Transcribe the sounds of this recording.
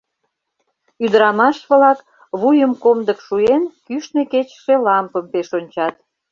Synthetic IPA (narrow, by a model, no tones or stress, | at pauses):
yd̪əɾɑmɑʃβlɑk | βujəmkomd̪əkʃuenkyʃneket͡ɕə̥ʃe̽lɑmpəmpeʃonʲt͡ɕɑt̪